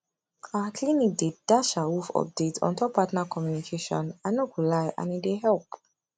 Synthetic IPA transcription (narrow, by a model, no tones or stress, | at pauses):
akʰlinik̚ded̥aʃaufɔ̰p̚detɔ̰̃ntɔpatnakʰɔmjunikʰeʃɔ̰̃nanokulaɪʔã̰nideɦɛlp